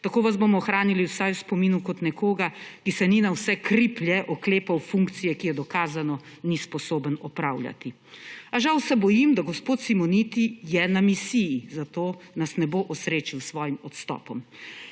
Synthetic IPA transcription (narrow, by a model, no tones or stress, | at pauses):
t̪akoːʋazbomɔːxɾaːniliwsajuspɔmiːnukɔt̪nɛkoːɡakisɛninawsɛkɾipljɛʔɔkleːpawfuŋkt̪sijɛkijɛd̪ɔkaːzanɔ | nispɔsoːbənɔpɾaːwlja̰t̪i | aʒawsɛbɔjimd̪aɡɔspoːt̪simɔnit̪ijɛnamisijizat̪oːnasnɛboːʔɔsɾeːt͡ʃiwsʋɔːjimɔt̪st̪ɔ̰ːpɔm